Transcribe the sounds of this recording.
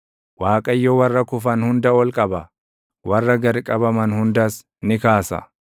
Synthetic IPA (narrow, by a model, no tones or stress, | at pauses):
waːkʼɐjːɔwɐrːɐkʊfɐnhʊnd̪ɐɔlkʼɐbɐ | wɐrːɐɡɐɾkʼɐbɐmɐnhʊnd̪ɐs | nɪkaːsɐ̰